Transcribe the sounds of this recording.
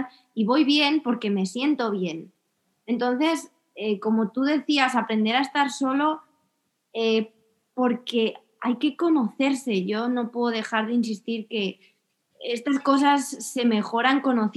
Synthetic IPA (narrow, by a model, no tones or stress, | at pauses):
iβo̞jβ̞je̞npo̞ɾke̞me̞sje̞nt̪o̞β̞je̞n | e̞nt̪̬o̞nθe̞s | eko̞mo̞t̪uðe̞θiasapɾe̞nd̪e̞ɾaest̪aɾso̞lo̞ | e | po̞ɾke̞ | ajke̞ko̞no̞θe̞ɾse̞ʝo̞no̞pweðoðe̞xaɾðeins̬ist̪iɾke̞ | est̪asko̞s̬asːe̞me̞xo̞ɾaŋko̞no̞θ